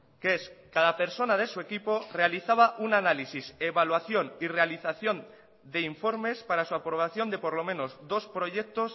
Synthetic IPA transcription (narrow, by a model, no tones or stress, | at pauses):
keeskaðape̞ɾso̞naðe̞sue̞kipo̞re̞aliθaβaʔunanalisise̞βalwaθjo̞nire̞aliθaθjo̞n | d̪e̞iɱfo̞ɾme̞spaɾasuapɾo̞β̞aθjo̞nd̪e̞po̞ɾlo̞mẽ̞no̞zd̪o̞spɾo̞ʝe̞k̚t̪o̞s